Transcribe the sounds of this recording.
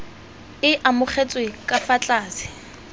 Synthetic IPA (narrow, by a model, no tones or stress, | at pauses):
ɪʔamʊk͡xʰet͡sʼwekʼafat͡ɬʼaːsɪ̥